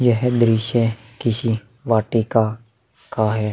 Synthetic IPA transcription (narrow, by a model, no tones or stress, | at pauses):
jəɦɛd̪ɾiʃẽ | kɪsi | ʋaːʈika | kaɦɛː